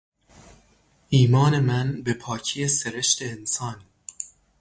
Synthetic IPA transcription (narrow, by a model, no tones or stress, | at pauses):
ʔiːmɒːne̞mænbe̞pʰɒːcʰijeseɾeʃt̪ʰe̞ːnsɒːn